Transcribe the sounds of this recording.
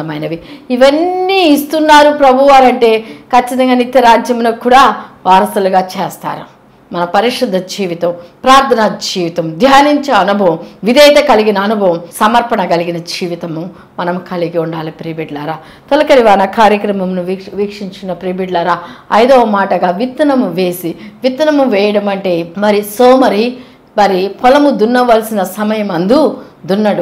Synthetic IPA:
ɐmɐjnɐʋiiʋɐnːiːst̪unːaːɾupɾɐbʱuʋaːɾɐɳʈe̞ːkʰɐt͡ʃːit̪ɐŋɡaːnit̪jɐɾaːd͡ʒjɐmnɐkuːɽaːʋaːɾɐsuluɡaːt͡ʃeːst̪a̰ːɾṵ | mɐnɐpɐɾiʂɐd̪ʱːɐd͡ʒiːʋit̪ɐmpɾaːɾt̪ʰɐnɐd͡ʒiːʋit̪ɐmd̪ʱjaːniɲt͡ʃɐɐnubʱɐʋmʋid̪ɛjt̪ɐkɐliɡinɐːnubʱɐʋɐmsɐmɐɾpɐɳɐɡɐliɡinɐd͡ʒiːʋit̪ɐmu | mɐnɐmukɐliɡiuɳɖaːlipɾiːbiɖlɐːɾaː | t̪ɔlɐkɐɾiʋaːnɐkaːɾjɐkɾɐmɐmnuʋʋiːkʂiɲt͡ʃinɐpɾiːbiɖlɐːɾaːɐjd̪ɔːmaːʈɐɡaːʋit̪ːɐnɐmuʋe̞ːsiʋit̪ːɐnɐmuʋɛːjɐɽɐmɐɳʈe̞ːmɐɾisoːmɐɾi | mɐɾipʰɔlɐmud̪unːɐʋɐlsinɐsɐmɐjɐmɐnd̪ud̪unːɐɽu

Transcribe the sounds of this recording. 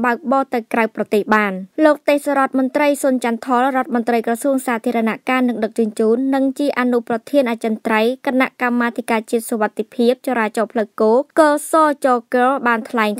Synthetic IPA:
ɓaək̚ɓɑːt̪ɨwkrawprɑt̪eːhɓaːnloːk̚t̪eːhsaɾŏət̪̚mʊnt̪rəjsunt͡ɕant̪ʰɑlrŏət̪̚mont̪rəjkrɑsuəŋsaːt̪ʰiəɾɑnaʔkaːnɨŋɗɨk̚t͡ɕŭənt͡ɕuːnːɨŋt͡ɕiəʔaːnuprɑt̪ʰiənʔat͡ɕənt̪rəjkanaʔkamːaːt̪ʰikaːt͡ɕiət̪̚soʋat̪ːepʰiəp̚t͡ɕɑɾaːt͡ɕɑːpʰləwkoːkɑːsɑːt͡ɕɔːkəlɓaːnt̪ʰlaɛŋ

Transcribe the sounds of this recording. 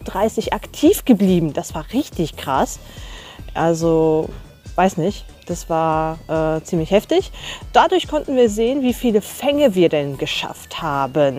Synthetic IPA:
d̥ʁaɪsɪçʔaktʰiːfɡ̥əbliːbm̩d̥asv̥aːɐʁɪçtɪçkʁ̥as | ʔalzo | v̥aɪsnɪçt | d̥asv̥aːɐʔɛːt͡siːmlɪçhɛftɪçd̥adʊɐçkʰɔntn̩viːɐzeːənviːfiːləfɛŋəviːɐdɛnɡəʃa̰fthaːbən

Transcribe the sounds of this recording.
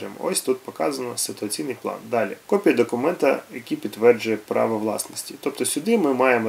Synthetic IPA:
ɪm̰ɔsʲt̪ut̪pɔkɑzɐnɔsɪt̪ʊɐt͡sʲijnɪjplˠɑ̰nd̪ɑlʲikɔpʲijɐd̪ɔkʊmɛnt̪ɐ̰jɐkʲipʲid̪ʋɛrd͡ʒʊjɛpɾɑ̰ʋɔʋlˠɑ̰snɔsʲtʲit̪ɔpt̪ɔsʲʊd̪ɪmɪmɑjemɔ

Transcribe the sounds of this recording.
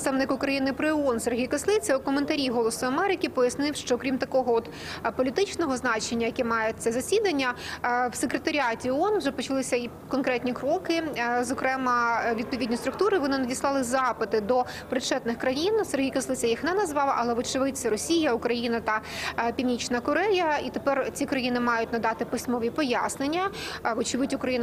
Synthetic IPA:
st̪ɐʋnɪkʊkɾɐjinɪpɾɪɔnserɦʲijkɐslˠɪt͡sʲɐukɔment̪ɐɾʲijɦɔlˠɔsʊɐmɛɾɪkʲɪpɔjɐsnɪwʃt͡ʃɔkɾʲimt̪ɐkɔɦɔɔt̪ | pɔlʲit̪ɪt͡ʃnɔɦɔznɑt͡ʃenʲːɐjɐkɛmɑjet̪sɛzɐsʲid̪ɐnʲːɐwsekɾet̪ɐɾʲɑtʲiɔɔnʋʒɛpɔt͡ʃɐlˠɪsʲɐi | kɔnkɾɛt̪ʲnʲikɾɔkɪzɔkɾɛmɐʋʲid̪̚pɔʋʲidʲnʲist̪ɾʊkt̪uɾɨʋɔnɪnɐdʲislˠɑlˠɪzɑpɪd̪ɪd̪ɔ | pɾɪt͡ʃɛt̪nɪxkɾɐjinserɦʲijkɐslˠɪt͡sʲɐjixnɛnɐzʋɑʋˠɐʔɐlˠɛʋɔt͡ʃɪʋɪt͡sʲːɐɾɔsʲijɐʊkɾɐjinɐt̪ɐpʲiwnʲit͡ʃnɐkɔɾɛjɐit̪epɛrt͡sʲikɾɐjinɪmɑjʊtʲnɐd̪ɑt̪ɪpɪsʲmɔʋʲipɔjasnenʲːɐʋɔt͡ʃɪʋɪtʲʊkɾɐjinɐ

